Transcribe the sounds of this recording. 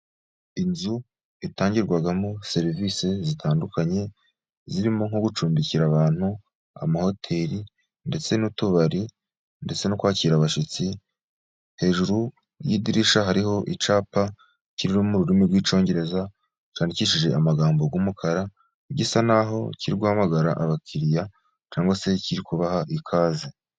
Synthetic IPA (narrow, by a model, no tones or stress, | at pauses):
inzu | itaːɲɟiɾɡwaɡamo̞se̞ɾivise̞zitʰaːndukaɲe̞ | ziɾimo̞ŋho̞ɡut͡ʃuːmbiciɾaβaːn̥hu | a̰maho̞tʰe̞ɾi | nde̞t͡se̞nutuβaɾi | nde̞t͡se̞nokwaːciːɾaβaʃit͡si | he̞ːʒuɾu | jiːdiɾiʃaɦaɾiɦo̞ʔit͡ʃaːpa | ciɾiɾumuɾuɾimiɾɡwiːt͡ʃo̞ːɲɟe̞ɾe̞za | t͡ʃaːniciʃiʒe̞amaɡaːmbo̞ɡwumukʰaɾa | ɟisanaɦo̞̰ciɾiɡwuhamaɡaɾaʔaβakʰiɾija | t͡ʃaːŋɡwase̞ciɾikuβahaʔikʰaːze